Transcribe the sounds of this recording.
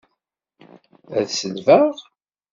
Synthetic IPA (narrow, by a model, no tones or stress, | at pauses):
æ̰ðsəlvæʁ